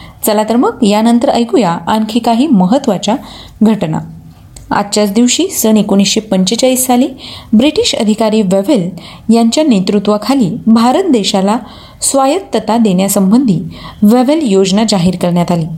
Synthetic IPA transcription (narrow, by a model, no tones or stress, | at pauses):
t͡səlat̪əɾməkjanənt̪əɾəjɡujaːnkʰikaɦiːməɦət̪ʋat͡ɕa | ɡʱəʈna̰ | a̰t̪ːt͡ɕat͡sd̪iʋɕiːsənekoɽ̃isɕepəɲt͡ɕət͡ɕaisːaliːbɾiʈiɕə̰d̪ʱikaɾiːʋeʋel | jaɲt͡ɕjanet̪ɾut̪ʋəkʰaliːbʱaɾət̪̚d̪eɕala | sʋajət̪ːət̪ad̪eɳjasəmbənd̪ʱiːʋeʋeljod͡znad͡zaɦiːɾkəɾɳjat̪aliː